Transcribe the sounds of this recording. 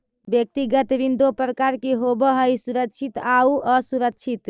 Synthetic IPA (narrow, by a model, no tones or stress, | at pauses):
bjək̚t̪iɡət̪ʋind̪opɾəkaɾkeɦobəɦəjsuɾəkt͡ʃʰit̪auʔəsuɾək̚t͡ʃʰit̪